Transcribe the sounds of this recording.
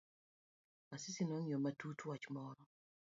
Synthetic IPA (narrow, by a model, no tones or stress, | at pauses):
asɪsinoɲomatutwat͡ʃmɔɾɔ